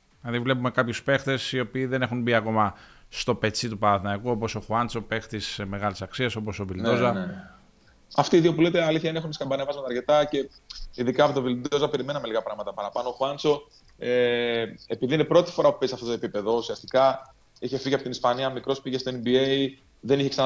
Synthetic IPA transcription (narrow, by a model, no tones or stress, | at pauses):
ɐðivle̞p̬ume̞kɐpçuspe̞xt̪e̞sio̞piːðe̞ne̞xunbiɐko̞mɐ | st̪o̞pe̞t͡sit̪upɐɾɐθinɐikuo̞po̞so̞xuɐnt͡so̞pe̞xt̪iseme̞ɣɐlisɐksiɐso̞po̞so̞vild̪ozɐ | ɐft̪iːðiopulet̪eɐliθçɐine̞xuniskɐmbɐnevɐzmɐt̪ɐɾce̞t̪ɐce̞ | iðikɐɐpot̪ovild̪o̞zɐpe̞ɾime̞nɐmeliɣɐpɾɐɣmɐt̪ɐpɐɾɐpɐno̞ːxuɐnt͡so̞ | e | epiðiine̞pɾo̞t̪i̥fo̞ɾɐpu̥pesɐft̪ot̪oepipe̞ðo̞usiɐst̪ikɐ | içe̞fiʝiɐpot̪inispɐniɐmikɾo̞spiʝest̪oenbiei | ðe̞niçeksɐn